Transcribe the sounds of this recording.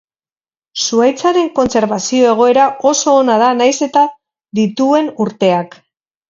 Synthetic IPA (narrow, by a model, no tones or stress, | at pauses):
suajt͡saɾe̞ŋko̞nt͡se̞ɾβasio̞e̞ɣ̞o̞e̞ɾao̞so̞ːnað̞anajse̞t̪a | ðit̪ue̞nuɾt̪e̞ak